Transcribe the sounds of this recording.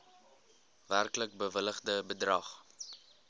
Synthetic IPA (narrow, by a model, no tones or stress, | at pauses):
værklək̚bəvələχdəbədrɐχ